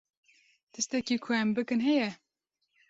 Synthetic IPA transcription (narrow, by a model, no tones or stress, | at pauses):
t̪ɨst̪ɛkiːkʰɛɛmbɨkɨnɦɛjɛ